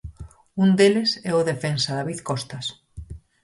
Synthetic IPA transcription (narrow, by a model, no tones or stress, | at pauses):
und̪elɪsɛoðefensɐðaβiθkɔst̪ɐs